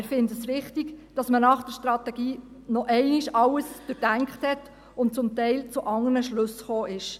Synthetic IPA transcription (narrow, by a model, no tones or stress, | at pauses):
ɾfɪntəsɾɪχtiɡd̥ɑsmənɑχd̥ɛɾʃtɾɑt̪ɛɡiː | nɔʔɛɪniʃɑləsd̥øɾd̥æŋkχthɛt | ʊnt̚t͡sʊmtɛɪlt͡sʊʔɑŋːənəʃløsχoːʔɪʃ